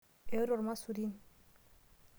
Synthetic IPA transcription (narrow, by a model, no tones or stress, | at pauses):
ewɾoɾmasuɾin